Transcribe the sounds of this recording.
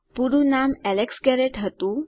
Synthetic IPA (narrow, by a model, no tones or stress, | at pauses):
puɾunamɛleksɡɛɾeʈɦət̪ũ